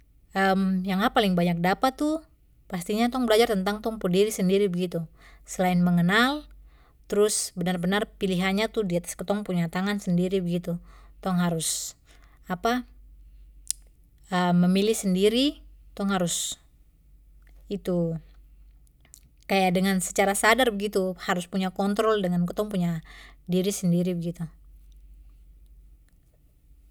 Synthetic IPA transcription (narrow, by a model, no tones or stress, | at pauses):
ʔəmjaŋapalɪŋbaɲak̚dapat̪ːu | past̪iɲat̪ɔŋbəlad͡ʒart̪ənt̪aŋt̪ɔŋpudiɾisəndiɾibəɡit̪u | səlaɪnməŋənal | t̪əɾʊsbənarbənarpiliɦanɲat̪uhdiat̪ḁskət̪ɔŋpuɲat̪aŋansəndiɾibəɡit̪ut̪ɔŋɦaɾʊs | apa | əməmilɪhsəndiɾit̪ɔŋhaɾʊs | it̪u | kajadəŋansə̥t͡ʃaɾasadarbəɡit̪uhaɾʊspuɲakɔnt̪ɾɔldəŋankət̪ɔŋpuɲadiɾisəndiɾibəɡit̪u